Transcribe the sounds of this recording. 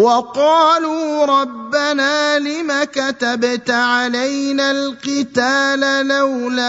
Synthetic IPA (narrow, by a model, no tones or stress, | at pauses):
wɑqɑːluːɾˤɑbːanaːlɪmakat̪abt̪aʕalajnalqɪt̪aːlalawla